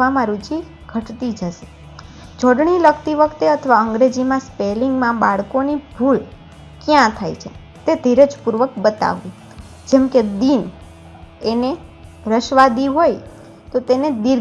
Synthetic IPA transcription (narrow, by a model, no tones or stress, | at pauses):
amãɾut͡ʃi | ɡʱəʈt̪id͡ʒəʃe̥ | d͡ʒɔɽɳiləkʰt̪iʋəkʰt̪eət̪ʰəʋaəŋɡɾed͡ʒimãspeliŋɡmãbaɭkonibʱul | kjãt̪ʰa̰jt͡ʃʰe | t̪ed̪ʱiɾəd͡ʒpuɾʋəkbət̪a̰ʋːi | d͡ʒɛmked̪in | ene | ɾəʃʋad̪iɦoj | t̪ot̪ened̪iɾ